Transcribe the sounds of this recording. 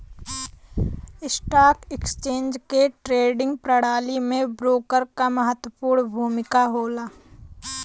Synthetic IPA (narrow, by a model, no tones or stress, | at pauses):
ɪsʈaːkɛkst͡ʃẽːnd͡ʒkeʈɾeːɖɪ̃ŋɡ̚pɾəɽaːlimẽbɾoːkəɾkaməɦət̪wəpuːɾɳbʱuːmɪkaɦoːlaː